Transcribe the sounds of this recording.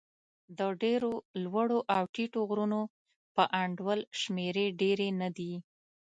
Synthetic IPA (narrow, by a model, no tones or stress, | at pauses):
d̪əɖeɾolwəɽoʔawʈiʈoɣɾuno | pəʔaɳɖwəlʃmeɾeɖeɾenad̪i